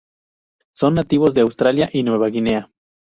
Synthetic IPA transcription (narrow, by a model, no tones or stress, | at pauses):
so̞nːat̪iβo̞zðeawst̪ɾaljaʔinwe̞βaɣine̞a